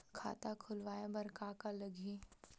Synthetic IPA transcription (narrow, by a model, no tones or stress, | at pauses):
kʰa̰ːt̪akʰʊlʋaːjabɐɾkaːkalɐɡʱi